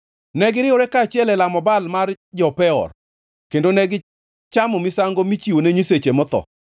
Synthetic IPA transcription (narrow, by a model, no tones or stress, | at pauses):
nɛɡɪɾɪoɾɛkaːt͡ʃɪɛlɛlamɔbalmar | d͡ʒɔpɛɔ̰r | kendonɛɡɪ | t͡ʃamɔmɪsaŋɡomit͡ʃiwoneɲiset͡ʃemɔt̪ɔ̰